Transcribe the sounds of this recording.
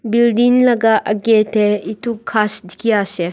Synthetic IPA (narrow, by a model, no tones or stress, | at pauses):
bildinlɐɡaʔɐɡetʰɛitʰukʰːasd̪ʱi̥kʰijasɛ